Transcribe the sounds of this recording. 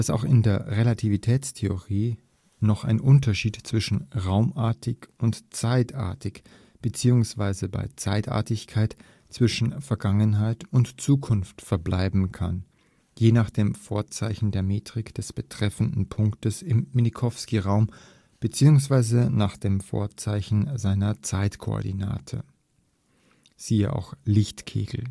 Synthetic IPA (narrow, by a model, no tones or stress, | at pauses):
d̥asa̰ʊxɪndeːɐʁelatʰivitʰɛːt͡stʰeoʁiː | nɔχa̰ɪnʔʊntɐʃiːtt͡sv̥ɪʃn̩ʁaʊmaːɐtɪçʊntt͡saɪta̰ːɐtɪç | b̥ət͡siːʊŋsv̥aɪzəba̰ɪt͡saɪta̰ːɐtɪçkʰaɪt | t͡sv̥ɪʃn̩fɛɐɡaŋənɦaɪtʊntt͡suːkʰʊnftfɛɐblaɪbm̩kʰa̰n | jeːnaːχd̥eːmfoːɐt͡saɪçn̩deːɐmeːtʁ̥ɪkd̥ɛsb̥ətʁ̥ɛfn̩dn̩pʰʊŋktəsɪmːinikʰɔfskiʁaʊm | b̥ət͡siːʊŋsv̥aɪzənaːχd̥eːmfo̰ːɐt͡saɪçn̩zaɪnɐt͡saɪtkʰo̰ɔ̰ɐdina̰ːtʰə̰ | z̥iːə̰ʔa̰ʊxlɪçtkʰḛːɡl̩